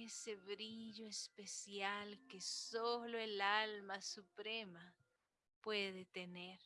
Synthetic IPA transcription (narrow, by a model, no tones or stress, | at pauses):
eseβɾiʎoespesjalkesoloelalmasupɾema | pweðet̪eneɾ